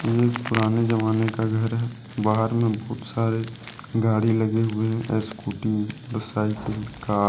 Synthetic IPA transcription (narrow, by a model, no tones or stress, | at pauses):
eːpʊɾaːned͡ʒəmaːnekaɡʱɐɾɦɛ | baːɦəɾmẽbɔːt̪saːɾe | ɡaːɽilɐɡeɦʊeɦɛ̃ʔɛːskuːʈiɾɐsaːikeɦɛ̃kaː